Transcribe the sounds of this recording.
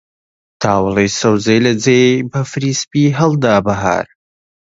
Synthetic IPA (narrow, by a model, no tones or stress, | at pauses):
t̪ʰaːwlˠejsɐwzejlɐd͡zebɐfɨɾiːspiɦɐlˠd̪aːbɐɦa̰ːɾ